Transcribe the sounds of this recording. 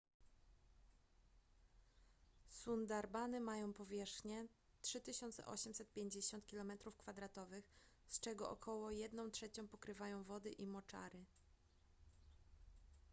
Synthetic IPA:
sund̪aɾbanɘmajɔ̃w̃pɔvʲjɛʂxɲɛ | tʂɘt̪ɘɕɔnt̪sɛ̰ʔɔ̰ɕɛmsɛt̪̚pʲjeɲd͡ʑeɕɔnt̪̚kʲilɔmɛt̪ɾufkfad̪ɾat̪ɔvɘx | st͡ʂɛɡɔʔɔ̰kʰɔwɔjɛd̪nɔ̃w̃tʂɛt͡ɕɔ̃w̃pɔkɾɘvajɔ̃w̃vɔd̪ɘʔimɔt͡ʂa̰ɾɘ

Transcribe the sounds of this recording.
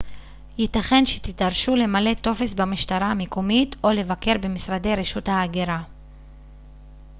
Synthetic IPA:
jit̪aχe̞nʃe̥t̪it̪aʁʃule̞male̞t̪o̞fe̞sbamiʃtaʁaːmekomit̪o̞le̞vake̞ʁbemisʁad̪e̞jʁeʃuthaːɡeɾa

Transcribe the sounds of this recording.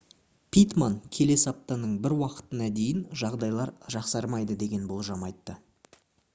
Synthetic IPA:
pʰʲijt̪maŋkʲʰe̞le̞sɪɑp̚t̪ɑnəɴbɪɾwɑqə̥t̪ənɑd̪e̞jɪnʒɑʁd̪ɑjlˠɑɾʒɑqsɑɾmɑjd̪əd̪e̞ɡʲe̞nbo̞lˠʒɑmɑjt̪ːə

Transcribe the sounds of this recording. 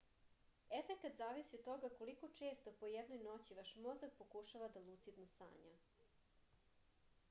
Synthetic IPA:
efekat̪zaːʋisiod̪t̪o̞ɡakoliko̞t͡ʃe̞ːst̪o̞po̞jed̪no̞jno̞t͡ɕiʋaʃmo̞zak̚pokuʃaʋad̪alˠut̪sid̪nosa̰ːɲa̰

